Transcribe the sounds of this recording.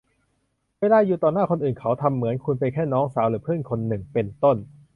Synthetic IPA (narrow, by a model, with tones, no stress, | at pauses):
weː˧laː˧juː˨˩t̪ɔː˨˩nːaː˥˩kʰo˧nʔɯː˨˩nkʰa˦˥wt̪ʰa˧mːɯ˩˦ənkʰu˧npa˧jkʰɛː˥˩nɔː˦˥ŋsaː˩˦wɾɯː˩˦pʰɯ˥˩ənkʰo˧nːɯ˨˩ŋpe˧nt̪o˥˩n